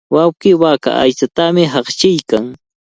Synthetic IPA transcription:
wawkɪːwaka̰ʔa̰jt͡ʃat̪amɪɦɑχt͡ʃɪjkaŋ

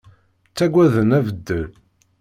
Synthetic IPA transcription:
t͡sːæɡʷæðənævəd̪ːəl

